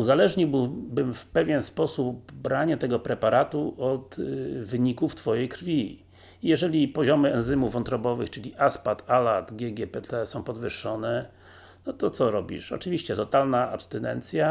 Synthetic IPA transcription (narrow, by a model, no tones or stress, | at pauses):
uzalɛʐɲibɘwbɘmfpɛvʲjɛnspɔsup̚bɾaɲat̪ɛɡɔpɾɛpaɾat̪uʔɔt̪vɘɲikuft̪fɔjɛjkɾfʲi | jɛʐɛlʲipɔʑɔmɘɛnzɘmuvvɔnt̪ɾɔbɔvɘxt͡ʂɘlʲiʔaspat̪ʰalat̪ɡʲjɛɡʲjɛpɛt̪ɛsɔ̃w̃pɔd̪vɘʂːɔnɛ | nɔt̪ɔt̪sɔɾɔbʲḭʂɔ̰t͡ʂɘvʲiɕt͡ɕɛt̪ɔt̪alnaʔapst̪ɛnɛ̰nt̪sʲja